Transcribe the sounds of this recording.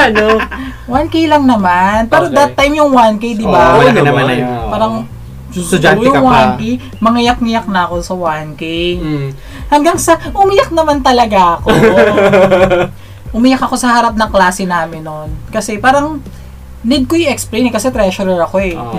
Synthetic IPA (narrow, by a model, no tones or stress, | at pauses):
ɐno | wankejlɐŋnɐmanpɛːɾod̪ɐt̪ːajmjʊŋwankejd̪ɪbanajppaːɾɐŋ | jʊŋwankij | mɐŋɐjak̚ŋɪjak̚nɐɐko̞sɐwankɛj | hɐŋɡaŋsɐʔʊmɪjak̚nɐmant̪ɐlɐɡaʔɐko | ʔʊmɪjakɐko̞sɐhɐɾap̬̚nɐŋklaːsɛnaːmɪnːonkɐsɛpaːɾɐŋ | nɛd̪̚kojʊʔɛksplejnɛkɐsɛt̪ɾɛʃoɾɛɹɐko̞ɛ